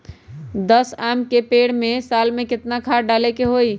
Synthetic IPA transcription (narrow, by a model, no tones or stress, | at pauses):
d̪əsamkepeɽmesalmekɪt̪nakʰaɖalɛkeɦoj